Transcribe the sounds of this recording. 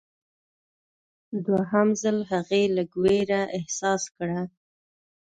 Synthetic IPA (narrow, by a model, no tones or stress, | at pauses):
d̪waɦamzəlɦaɣeləɡweɾaʔɪhsɑskɽa